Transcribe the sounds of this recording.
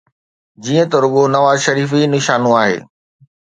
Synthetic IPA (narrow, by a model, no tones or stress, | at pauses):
d͡ʑiːə̃t̪oɾʊɠonɐʋaːzʃɐɾiːfinɪʃaːnũaːɦḛː